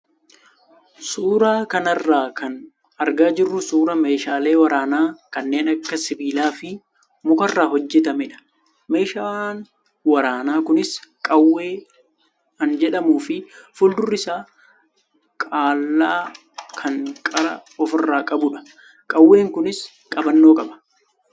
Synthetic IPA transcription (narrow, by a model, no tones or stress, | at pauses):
suːɾaːkɐnɐrːaːkʰɐn | ɐɾɡaːd͡ʒɪrːʊsuːɾɐme̞ːʃaːle̞ːwɐɾaːnaːkɐnːe̞ːnɐkːɐsɪbiːlaːfɪ | mʊkɐrːaːɦɔd͡ʒːɛt̪ɐmɛᶑɐ̥ | me̞ːʃaːn | wɐɾaːnaːkʊnɪskʼɐwːe̞ː | ɐnd͡ʒɛᶑɐmuːfɪfʊld̪ʊrːɪsaː | kʼaːlːaː | kʰɐŋkʼɐɾɐɔfɪrːaːkʼɐbʊᶑɐ̥ | kʼɐwːe̞ːŋkʊnɪs | kʼɐbɐnːo̞ːkʼɐbɐ̥